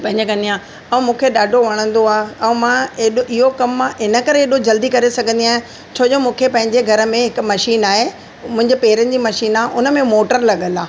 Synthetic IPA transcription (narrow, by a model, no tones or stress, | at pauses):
pɐ̃ɦɪ̃ɲd͡ʑekɐ̃nd̪ijãː | ɛ̃mũːkʰeɗaːɖʱoʋɐɽ̃ə̃nd̪oaːɦɛ̃mãeɗɪɦokɐmːãɪnə̆kɐɾeeːɗod͡ʑɐld̪ikɐɾesɐɡʱə̃nd̪iaːɦẽ | t͡ɕʰoːd͡ʑoːmũːkʰepɐ̃ɦɪ̃ɲd͡ʑeɡʱɐɾə̆mẽɦɪkmɐʃiːnaːɦe | mʊ̃ɦɪ̃ɲd͡ʑepeːɾənɪ̆d͡ʑiːmɐʃiːnaːʔʊnə̆mẽmoːʈəɾlɐɠəlaː